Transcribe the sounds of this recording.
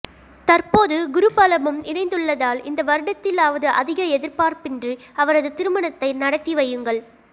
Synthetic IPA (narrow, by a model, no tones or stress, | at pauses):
t̪ɐrpoːðɯɡʊɾɯpɐːlɐmɯmɪnɐɪnd̪ɯɭːɐðaːlɪnd̪ɐʋɐɾɯɽɐt̪ːɪlaːʋɐðɯʔɐðɪɣɐɛðɪɾpaːɾpɪndrɯɐʋɐɾɐðɯt̪ɪɾɯmɐɳɐt̪ːɐɪnɐɽɐk̪ːiʋɐjːɯŋɡɐɭ